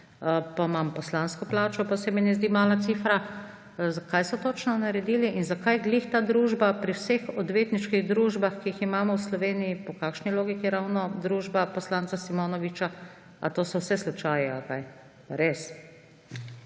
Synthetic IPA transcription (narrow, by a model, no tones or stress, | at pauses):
əpamampɔslanskɔplaːt͡ʃɔpasɛmɛnɛzd̪iːmaːlat̪siːfɾa | zakajsɔt̪oːt͡ʃnɔnaɾɛd̪iːliʔinzakajɡlixt̪aːd̪ɾuːʒbapɾiwsexɔd̪ʋeːt̪niʃkiɣd̪ɾuːʒbaxkiiximaːmɔwslɔʋeːnijipɔkakʃniloːɡikiɾawnɔd̪ɾuːʒbapɔslaːnt̪t͡s̪asimoːnɔʋit͡ʃa | a̰t̪oːsɔwsɛslut͡ʃaːjɛakaj | paɾes